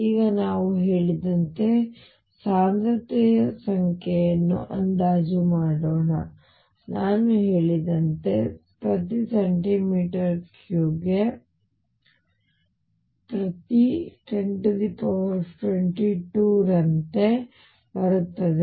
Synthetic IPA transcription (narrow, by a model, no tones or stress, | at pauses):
iːɡɐnaːʋuɦeːɭid̪ɐnt̪e̞ | saːnd̪ɾɐt̪ɛjɐsɐŋkʰejɐnːṵʔɐnd̪aːd͡ʒumaːɽoːnɐ | naːnuɦe̞ːɭid̪ɐnt̪e̞ | pɾɐt̪iseɳʈimiːʈɐɾkkjuːɡe | pɾɐt̪iʈeɳʈd̪ipɐʋɐʈweɳʈiʈuɾɐnt̪e̞ | bɐɾut̪ːɐd̪e